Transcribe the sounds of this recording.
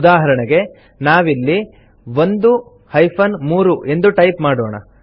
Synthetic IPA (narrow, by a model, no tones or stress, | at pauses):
d̪aːɦɐɾɐɳɛɡe̞ | naːʋilːi | ʋo̞nd̪u | hɐjpʰɐnmuːɾuʔe̞nd̪uʈɐjpmaːɽoːɳɐ̰